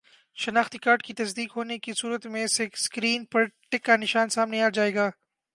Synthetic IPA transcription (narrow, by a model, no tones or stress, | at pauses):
ʃɐnaːxt̪ikaːɾʈkit̪ɐsd̪iːkɦoːnekisuːɾət̪mẽseskɾiːnpɐɾʈɪkːanɪʃaːnsaːmneaːd͡ʒaːeːɡaː